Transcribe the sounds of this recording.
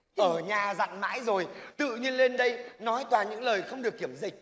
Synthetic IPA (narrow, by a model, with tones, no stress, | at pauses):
ʔəː˧˩ɲaː˨˩za̰˧˨ŋma̰ː˧˥jzo˨˩jt̪ɨ̰˧˨ɲi˧ənle˧nɗə˧jnɔ˨˦jt̪waː˨˩ɲɨ̰˧˥ŋləː˨˩jxə˧wŋ͡mɗɨ˨˩ək̚ːi˧˩əmzï˨˩k̚